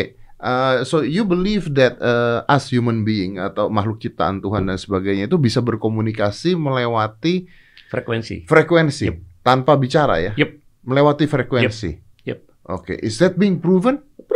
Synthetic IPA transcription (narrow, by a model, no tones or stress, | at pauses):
ʔəsojubəlivdɛt̪̚əasjumənbiɪŋa̰t̪awmaɦlʊk̚t͡ʃit̪a̰a̰nt̪uɦandansəbaɡajɲait̪ubisabərkomunikasiməlewat̪i | fɾekwɛnsḭfɾekwɛnsit̪anpabit͡ʃaɾa̰jaj̚ | məlewat̪ifɾekwɛnsḭ | jɛ | ʔo̰kḛʔɪsdɛt̪̚biɪŋpɾuvən